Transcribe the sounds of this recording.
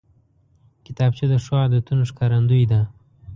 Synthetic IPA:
kɪt̪ɑb̚t͡ʃid̪əʂwɑd̪ət̪unoʂkɑɾand̪ujd̪a

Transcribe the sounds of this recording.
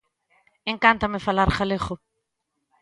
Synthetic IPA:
ẽŋkant̪amefalaɾχaleχo

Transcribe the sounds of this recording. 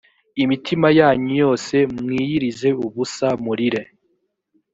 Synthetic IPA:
imitʰimajaːɲujo̞ːse̞mŋiːjiɾize̞uβusamuɾiɾe

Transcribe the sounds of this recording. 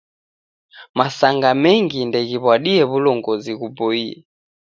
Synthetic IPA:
masaŋɡamɛŋɡindɛɣiβwaɗiɛβulɔŋɡɔziɣubɔiɛ̰

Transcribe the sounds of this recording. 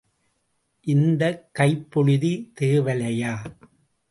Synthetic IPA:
ʔɪnd̪ɐkːɐɪpːɔɻɯðit̪eːʋɐlɐjaː

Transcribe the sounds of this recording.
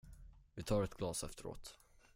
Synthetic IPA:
vɪt̪ʰɑːɾɛt̪ɡ̥lɑːsɛft̪əɾo̰ːt̪

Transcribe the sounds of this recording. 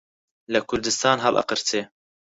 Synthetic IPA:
lɐkʰʊɾd̪ɨst̪ɑːnɦɑ̰lʔə̰qɨɾt̪ʰeː

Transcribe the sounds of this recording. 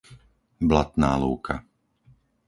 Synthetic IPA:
blat̪na̰ːluːkʰa

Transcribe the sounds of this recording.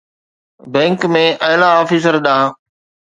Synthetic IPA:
bɛ̃ːŋkmẽːʔɐɪlaɔːfiːs̬əɾɗ̪ãː

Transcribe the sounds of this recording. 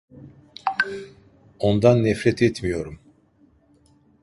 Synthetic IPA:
o̞nd̪anːɛfɾɛt̪ʰɛt̪mijo̞ɾum

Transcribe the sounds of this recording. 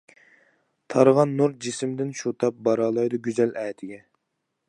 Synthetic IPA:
t̪ʰɑɾʁɑnːuɾd͡ʒisɪmd̪ɪnʃut̪ʰɑp̚bɑɾɑːlˠɑjd̪ɨɡʲyzɛlɛːt̪ʰɪɡʲɛ

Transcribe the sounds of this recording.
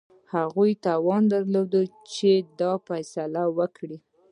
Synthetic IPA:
haɣujt̪ɑwɑnd̪aɾlod̪ət͡ʃed̪ɑfajsalawəkɽi

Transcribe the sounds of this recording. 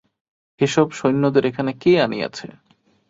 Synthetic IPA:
eʃɔbʃojnːod̪eɾekʰanekeanija̰t͡ɕʰe

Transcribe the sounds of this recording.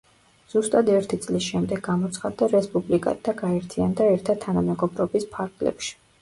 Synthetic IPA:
z̥ust̪ʼad̪ɛɾt̪ʰit̪sʼlisʃɛmd̪ɛɡːamɔt̪sʰχad̪ːaɾɛspʼublikʼa̰t̪t̪ʰːaɡaɛɾt̪ʰiand̪aɛɾt̪ʰat̪ʰanamɛɡɔbɾɔbispʰaɾɡlɛ̰pʃi̥

